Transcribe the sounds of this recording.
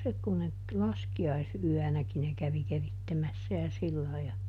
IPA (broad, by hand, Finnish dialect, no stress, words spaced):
se kun ne t s lɑskiɑisyænæki ne kæʋi keritːemæsːæ jɑ silːɑi jɑ